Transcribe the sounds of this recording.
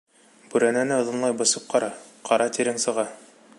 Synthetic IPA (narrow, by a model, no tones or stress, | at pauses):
b̥ʉɾænænɘɤ̆ðɤ̆nlˠɑjbɤ̆sɤp̚qɑɾɑqɑɾɑt̪iɾɘŋsɤ̆ʁɑ